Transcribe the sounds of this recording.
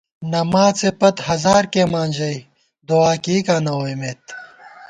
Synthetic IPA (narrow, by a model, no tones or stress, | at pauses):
nɐmaːt͡sepɐt̪hɐzaːɾkeːmaːnʲd͡ʑɐj | d̪oaːkiːkaːnɐwemeːt̪